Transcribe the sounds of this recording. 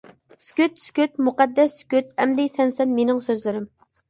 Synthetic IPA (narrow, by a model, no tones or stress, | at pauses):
skʲyt̪skʲyt̪muqæd̪ːɛsːkʲyt̪̚ɛmd̪ɪsɛnsɛnmenɪŋsøzlɪɾɪm